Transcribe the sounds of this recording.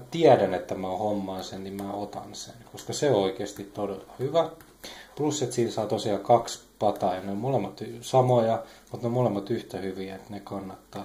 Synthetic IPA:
t̪iædænet̪ːæmæohomːɑːsennimæot̪ɑ̰nsenkoskɑseooikeːst̪it̪t̪odelːɑhyʋæ | plusːet̪siːnsɑːt̪osiɑkɑkspɑt̪ɑjɑneommolemːɑt̪sɑmojɑmut̪neomolemːɑt̪yht̪æhyʋiæet̪nekɑnːɑt̪ːɑː

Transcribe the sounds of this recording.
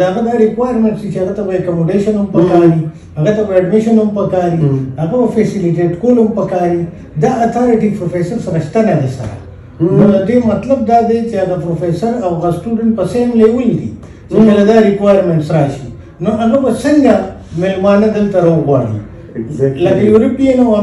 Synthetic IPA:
aɣad̪aɾɪkwajəɾmẽɳʈsd̪it͡ʃeaɣat̪abaekamoɖeʃɐnɐmpɐkaːɾi | aɣat̪ɐbɐaɖmɪʃɐnhɐmpɐkaːɾihaɣabɐfesɪlɪʈeʈkolʊmpɐkaːɾi | d̪aːt̪ʰaɾɪʈipɾofesɐɾsɐɾaʃt̪anaɣesɐ̰ɾa̰ | nod̪ɐd̪emɐt̪lɐb̚d̪aːd̪et͡ʃeɐɣapɾofesɐɾawɣasʈuɖəɳʈ̚pɐsemlewild̪ḭ | t͡ʃekɐlad̪aɾɪkwajɾmeɳʈsɾaʃi | noʔaɣabɐsɐŋɡamelmɑːnad̪əlt̪ɐɾolɣwa̰ːɽḭ | lɐkajuɾɐpijɐnaw

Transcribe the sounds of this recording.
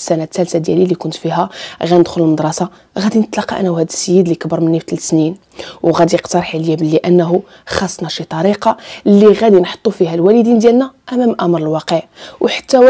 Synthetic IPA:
sænæt̪ːælsad̪jæ̰lilːikʊnt̪fiɦæɣænəd̪xʊləlməd̪ˤɾˤɑsɑ | ɣæd̪inət̪lɑqːɑ̰ʔnːæwhæd̪əsːəjːəd̪likəbəɾˤmənːift̪lsnin | wɣæd̪ijəqt̪ɑɾˤħiljæblːiʔænːɦu | xɑsˤːnɑʃit̪ˤɑɾiqɑlːiɣæd̪inħo̥t̪ˤːufihælwælid̪ind̪jælnæʔæmæmʔæmɾˤəlwɑqəʕwħḁt̪ːæw

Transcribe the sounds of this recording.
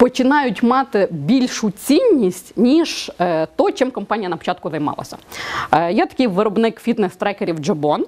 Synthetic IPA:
pɔt͡ʃɪnɑjʊtʲmɑt̪ɪbʲilʲʃʊt͡sʲinʲːisʲtʲnʲiʒt̪ɔt͡ʃɪmkɔmpɑnʲijɐnɐpɔ̥t͡ʃɑt̪̚kʊzɐjmɑ̰lˠɐ̰sʲɐ̰ | jɛt̪ɐ̥kʲɪjʋɪɾɔbnɪkfʲit̪nɛst̪ɾɛkeɾʲiwd͡ʒɐbɔn

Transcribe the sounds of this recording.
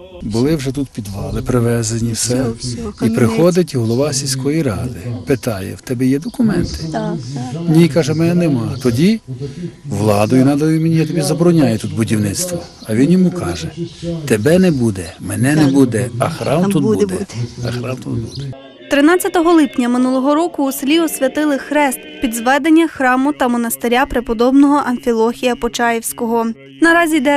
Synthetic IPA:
bʊlˠɪwʒɛt̪ut̪pʲid̪ʋɑlˠɪpɾɪʋɛzenʲiwsɛipɾɪxɔd̪ɪt̬ʲɦɔlˠɔʋɑsʲilʲsʲkɔjiɾɑd̪ɪpɪt̪ɑjɛ̰wt̪ɛbɛjɛd̪ɔkʊmɛnt̪ɪ̥ | nʲikɑʒɛmɛnɛnɛmɑt̪ɔdʲi | ʋlˠɑd̪ɔjʊnɑd̪ɐjʊmenʲijat̪ɔbʲizɐbɔɾɔnʲajɛt̪ut̪bʊdʲiwnɪt̪st̪ʋɔɐʋʲinjɔmukɑʒɛt̪ebɛnɛbud̪ɛmɛnɛnɛbud̪ɛɐ̰xɾɑmt̪ut̪d̪ɛɛɐxɾɑmt̪ṵt̪bud̪ɛ | t̪ɾɪnɑt͡sʲːɐt̪ɔɦɔlˠɪpnʲɐmɪnulˠɔɦɔɾɔkʊːslʲiɔsʲʋʲɐt̪ɪlˠɪxɾɛst̪pʲid̪zʋɛd̪enʲːɐxɾɑmʊt̪ɐmɔnɐst̪eɾʲapɾɪpɔd̪ɔbnɔɦɔʔɐnfʲilˠɔxʲijɐpɔt͡ʃɑjiwsʲkɔɦɔ | nɐɾɑzʲid̪ɛ

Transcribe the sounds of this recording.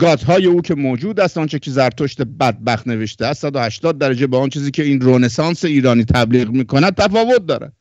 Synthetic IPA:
ɡɒːt̪ɦɒːje̞uːcʰe̞moːd͡ʒuːd̪æst̪ʔɔnt͡ʃʰecʲʰezæɾt̪ʰoʃt̪e̞bæd̪̚bæxt̪ne̞ve̞ʃt̪eæst̪sæd̪ohæʃt̪ɒːd̪̚ːæɾæd͡ʒebeont͡ʃʰiːziːkcʰe̞iːnɾone̞sɒːnseiːɾɒːniːt̪ʰæbliːɣmiːkʰo̞næd̪̚t̪ʰæfɒːvo̞t̪̚d̪ɒ̰ːɾæ̰n̥

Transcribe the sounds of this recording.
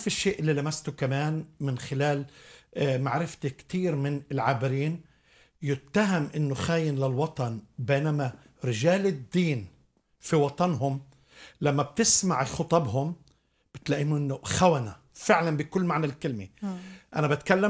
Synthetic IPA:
fiʃːeːʔɪlːilamast̪ʊkamaːnmɪnxɪlaːl | maʕɾɪft̪ikt̪iːɾmɪnɪlʕabɪɾiːn | jɪt̪ːaɦamʔɪnːʊxaːjɪnlɪlwɑt̪ˤɑnbeːnama | ɾɪʒaːlɪd̪ːiːn | fiwɑt̪ˤɑnɦʊm | lamːab̚t̪ɪsmaʕxʊt̪ˤɑbɦʊm | b̥ɪt̪laʔiːmʔɪnːʊxawana | fɪʕlanbɪkʊlːmaʕnalkɪlmiʔa̰nabat̪kalːa

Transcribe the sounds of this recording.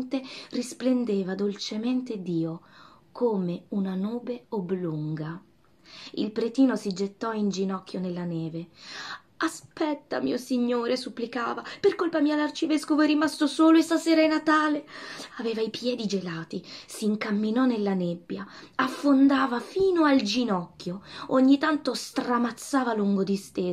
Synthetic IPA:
t̪erisplend̪eːvad̪olt͡ʃement̪ed̪iːokʰoːmeunanuːbeobluŋɡa | ḭlpɾet̪iːnosid͡ʒet̪ːɔind͡ʒinɔk̟ːjonelːanɛːve | aspɛt̪ːa̰mḭːosiɲːoːɾesupːlikaːvaperkolpamiːalart͡ʃivɛskovoɛrːimast̪osoːloɛst̪aseːɾainat̪aːleaveːvaipjɛːd̪id͡ʒelaːt̪isiŋkamːinɔnelːanebːjaafːond̪aːvafiːnoald͡ʒinɔkːjooɲːit̪ant̪ost̪ramat̪sːaːvaluŋɡod̪ist̪eː

